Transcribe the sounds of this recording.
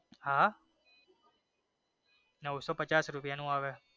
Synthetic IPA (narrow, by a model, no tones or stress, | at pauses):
aː | nɐʋsɔːpɐt͡ɕaːsɾʊpijanũaːʋɛ